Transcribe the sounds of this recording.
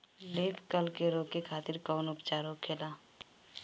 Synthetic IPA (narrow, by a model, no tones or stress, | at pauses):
leːpkəlkeɾoːkekʰaːt̪ɪɾkɔːnʊpt͡ʃaːɾokʰeːlaː